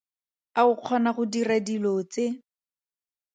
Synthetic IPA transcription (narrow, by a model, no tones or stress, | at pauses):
aʊq͡χʰɔnaχʊdiradilot͡se